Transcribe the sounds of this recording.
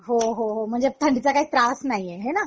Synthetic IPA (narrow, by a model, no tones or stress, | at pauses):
ɦoɦoɦom̤əɳd͡zet̪ʰəɳɖit͡sakaɦiːt̪ɾasnaieɦena